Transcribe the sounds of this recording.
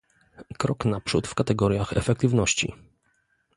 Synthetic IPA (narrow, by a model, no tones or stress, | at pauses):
kɾɔknapʂut̪fkat̪ɛɡɔɾjaxɛ̰fɛk̚t̪ɘvnɔɕt͡ɕḭ